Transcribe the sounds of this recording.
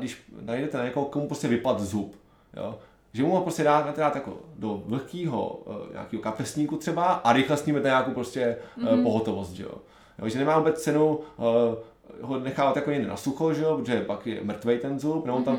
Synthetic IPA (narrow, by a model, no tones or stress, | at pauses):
dɪʃnajdɛt̪ɛnaɲɛkoɦokomupɾoscɛvɪplat̪zup | jo̰ | ʒɛmuɦopɾoscɛdaːmɛt̪daːt̪jako̰dovl̩kiːɦo̰ɲa̰ːkiːɦokapɛsɲiːkut̪r̥ɛbaʔaɾɪxlɛst̪ɲiːmɛt̪naɲaːkowpɾoscɛpoɦot̪ovost̪ʒɛ̰jo̰ | joʒɛnɛmaːvuːbɛt͡st͡sɛnow | ɦonɛxaːvat̪jakoɲɛɡdɪnʔa̰suxoʒɛjopɾot̪oʒɛpakjɛ̰mr̩t̪vɛjt̪ɛnzupnɛbot̪am